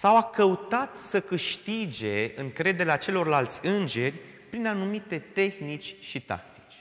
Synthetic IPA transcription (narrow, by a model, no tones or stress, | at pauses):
sawakəut̪at̪səkɨʃt̪id͡ʒe̞ɨŋkɾe̞d̪e̞ɾeat͡ʃe̞lo̞rlalt̪sʲɨnd͡ʒe̞rʲ | pɾinanumit̪e̞t̪e̞xnit͡ʃʲʃit̪a̰k̚t̪i̥t͡ʃʲ